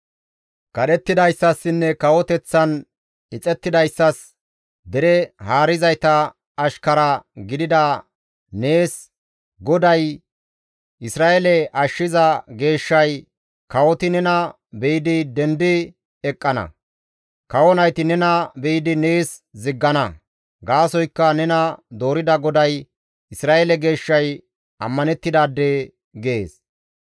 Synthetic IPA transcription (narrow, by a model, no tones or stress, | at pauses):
kɐɗɛt̪ːɪd̪ɐjsːɐsːɪnːɛkɐwɔt̪ɛt͡sːɐn | ɪt͡sʼɛt̪ːɪd̪ɐjsːɐs | d̪ɛɾɛhaːɾɪzɐjt̪ɐː | ʃkɐɾɐɡɪd̪ɪd̪ɐ | ne̞ːs | ɡɔd̪ɐj | ɪsɾaːʔelɛʔɐʃːɪzɐɡe̞ːʃːɐj | kɐwɔt̪ɪnɛnɐ | bɛjɪd̪ɪd̪ɛnd̪ɪ | ɛkʼːɐnɐ̰ | kɐwɔnɐjt̪ɪnɛnɐbɛjɪd̪ɪne̞ːs | zɪɡːɐnɐ | ɡaːsɔjkːɐnɛnɐd̪o̞ːɾɪd̪ɐɡɔd̪ɐj | ɪsɾaːʔelɛɡe̞ːʃːɐj | ʔɐmːɐnɛt̪ːɪd̪aːd̪ːeː | ɡeːs